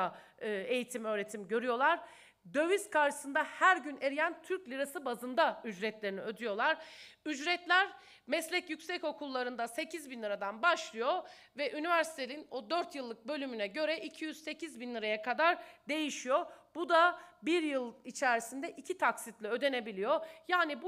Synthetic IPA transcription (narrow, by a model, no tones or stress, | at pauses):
a | e̞jit̪ʰimø̞ːɾe̞t̪ʰimɟø̞ɾyjo̞lˠaɾ̥ | d̪ø̞viskʰaɾʃɯ̥sɯnd̪ahæɾɟyne̞ɾijænt̪ʰyɾclʲiɾasɯbazɯnd̪ayd͡ʒɾɛt̪lʲe̞ɾiniø̞d̪yjo̞lˠaɾyd͡ʒɾɛt̪lʲæɾ | mɛslʲɛcjycsɛco̞kʰulˠːaɾɯnd̪ase̞cʰizbinlˠɯɾad̪anbaʃlˠɯjo̞ | vɛʔynivæɾsi̥t̪ʰeninod̪øɾt̪jɯlˠːɯk̚bø̞lʲymynɛɟø̞ɾɛʔicʰijyz̥se̞cʰizbinlʲˠɯɾajakʰad̪aɾd̪e̞jiʃijobud̪abiɾjɯlˠit͡ʃʰæɾisind̪ɛʔicʰit̪ʰaksit̪lʲiø̞d̪e̞ne̞bilʲijo̞jaːnib